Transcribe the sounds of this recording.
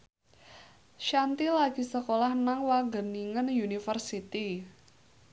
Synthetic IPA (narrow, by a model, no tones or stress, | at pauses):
ʃant̪ilaɡ̥i̤səkolahnaŋwaɡə̤niŋənjunifərsit̪i